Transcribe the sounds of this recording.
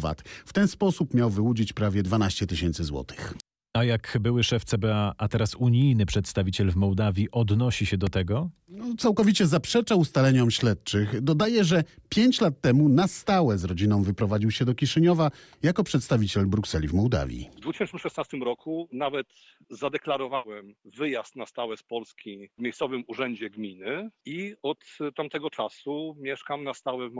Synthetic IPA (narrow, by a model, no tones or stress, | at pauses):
va̰t̪ft̪ɛnspɔsupmʲjawvɘwud͡ʑit͡ɕpɾavʲjɛd̪vanaɕt͡ɕɛt̪ɘɕɛnt̪sɘzwɔ̰t̪ʰɘ̥x | ajakbɘwɘʂɛft̪sɛbɛaat̪ɛɾasuɲijnɘpʂɛt̪st̪avʲit͡ɕɛlvmɔwd̪avʲjiʔɔd̪nɔɕiɕɛd̪ɔt̪ɛɡɔɔt̪sawkɔvʲit͡ɕɛzapʂɛt͡ʂaust̪alɛɲɔmɕlɛt̪̚t͡ʂɘxd̪ɔd̪ajɛʐɛpʲjeɲt͡ɕlat̪ːɛmunast̪awɛzɾɔd͡ʑinɔ̃w̃vɘpɾɔvad͡ʑiwɕɛd̪ɔkʲiʂɛɲɔva | jakɔpʂɛt̪st̪avʲit͡ɕɛlbɾuksɛlʲivmɔwd̪a̰vʲjḭvd̪vut̪ɕɛnt̪ʂnɘmʂɛsnast̪ɘmɾɔkʰunavɛt̪ | zad̪ɛklaɾɔvawɛmvɘjast̪nast̪awɛspɔlskʲivmʲjejssɔvɘmuʐɛɲd͡ʑɛɡmʲinɘiɔt̪ːamt̪ɛɡɔt͡ʂasumʲjɛʂkamnast̪awɛv